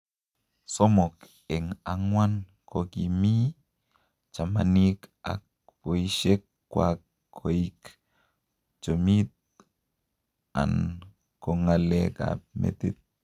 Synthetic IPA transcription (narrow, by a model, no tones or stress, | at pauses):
somok | eŋaŋwan | kʰokimi | t͡ʃamanika̰k̚ | poiʃekː | wakːʰ | oik | t͡ʃomit̪̚ | a̰n | koŋaleka̰mḛtit̪̚